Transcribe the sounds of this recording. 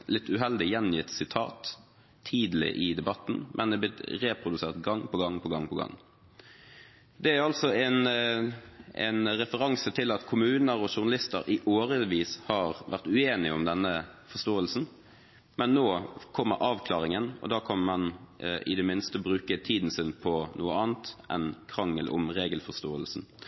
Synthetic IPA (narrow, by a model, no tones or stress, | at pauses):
lɪt̪ːʉɦɛld̪ɪjɛnjɪt̪sɪt̪ʰɑ̰ːt̪ʰː | iːd̪lɪ̰ʔɪd̪ɛbɑt̪ːn̩mʔɛnd̪ɛblɪt̪ɾeːpʰʁʊd̪ʉseːʁt̪ɡɑŋːpɔɡɑŋːpʰɔɡɑŋːpɔɡɑ̰ŋː | d̪ɛæɾɑlt̪sɔɛn | ʔɛ̰nʁɛfəɾɑŋsət̪ʰɪlɑt̪kʰʊmʉːnəɾɔʃʊʁnɑlɪst̪ə̰ɾɪʔoːɾəʋiːshɑʁʋæʁt̪ʉeːnɪʊmd̪ɛnːəfɔʁst̪oːəlsn̩ | mɛnːoːkʰɔmːə̰ɾʔɑːʋkʰlɑːʁɪŋənɔ̰d̪ɑːkʰɑnmɑnɪ̰d̪ɛmɪnst̪əbʁʉːkət̪ʰiːd̪n̩sɪnpʰɔnʔuːəɑːnt̪ʔɛ̰nkʰɾɑŋːəlʔʊ̰mʁeːɡəlfɔʁst̪oːəlsn̩